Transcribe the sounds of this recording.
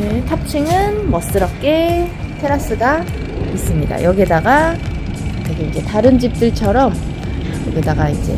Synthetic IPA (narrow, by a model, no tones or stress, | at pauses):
netʰap̚t͡ɕʰiŋɯnmʌs͈ɯɾʌp̚k͈e̞tʰe̞ɾas͈ɯɡa | is͈ɯmɲida̰jʌɡedaɡa | teɡeid͡ʑe̞taɾɯnd͡ʑip̚t͈ɯɭt͡ɕʰʌɾʌm | jʌ̰ɡidaɡaḭnd͡ʑe̞̰